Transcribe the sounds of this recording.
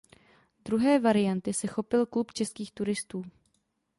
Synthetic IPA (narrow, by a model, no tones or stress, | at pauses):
d̪ɾuɦɛːvaɾɪjant̪ɪsɛxo̞pɪlklupt͡ʃɛskiːxt̪uɾɪst̪uː